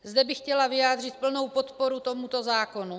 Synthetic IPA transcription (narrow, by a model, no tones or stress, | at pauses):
zd̪ɛbɪxcɛlavɪjaːd̪r̝ɪt̪̚pl̩no̞wpo̞t̪poɾut̪omut̪o̞zaːko̞nu